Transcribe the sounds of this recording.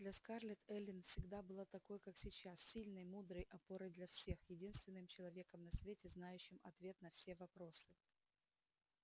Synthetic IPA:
d̪lʲɐskarlʲɪt̪ɛlʲɪnfsʲɪɡd̪abɨlˠat̪ɐko̞jkaksʲɪt͡ɕassʲilʲnəjmud̪ɾəjʔɐpo̞ɾɨjd̪lʲɐfsʲe̞xjɪdʲinst̪vʲɪnːɨmt͡ɕɪlˠɐvʲe̞kəmnɐsvʲetʲɪznajʉɕːɪmɐt̪vʲe̞t̪nɐfsʲe̞vɐpɾo̞sɨ

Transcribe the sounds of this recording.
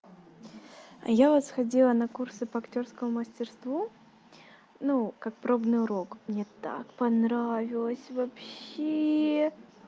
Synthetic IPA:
a̰javəsxɐdʲilˠənɐkursɨpɐɐktʲo̞rskəmʊməsʲtʲɪrst̪vu | nukak̚pɾo̞bnɨjʊɾo̞kmnʲet̪a̰kpɐnɾavʲɪlˠəsʲvɐpɕe

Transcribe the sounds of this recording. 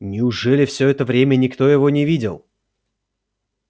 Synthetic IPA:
nʲɪʊʐɛlʲɪfsʲɵɛt̪əvɾʲemʲənʲɪkt̪o̞jɪvonʲɪvʲidʲɪ̰lˠ

